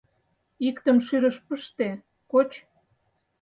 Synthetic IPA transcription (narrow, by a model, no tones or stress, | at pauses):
ikt̪əmʃyɾəʃpəʃt̪e | kot͡ɕ